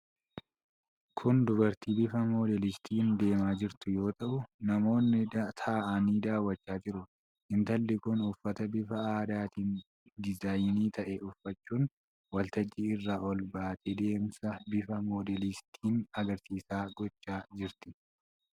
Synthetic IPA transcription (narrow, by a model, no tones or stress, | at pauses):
kʰʊnd̪ʊbɐɾt̪iːbɪfɐmo̞ːd̪ɛlɪst̪ʰiːnd̪e̞ːmaːd͡ʒɪɾt̪ʊjo̞ːt̪ɐʔʊnɐmo̞ːnːɪt̪ʰaʔaniːd̪aːwːɐt͡ʃːaːd͡ʒɪɾʊ | ɪnt̪ɐlːɪkʊnʊfːɐt̪ɐbɪfɐaːd̪aːt̪iːn | d̪ɪzaːjniːt̪ɐʔɛʊfːɐt͡ʃːuːn | wɐlt̪ɐd͡ʒːɪɪrːaːʔɔlbaːt̪ɛd̪e̞ːmsɐbɪfɐmo̞ːd̪ɛlɪst̪ʰiːnɐɡɐɾsiːsaːɡɔt͡ʃːaːd͡ʒɪɾt̪ɪ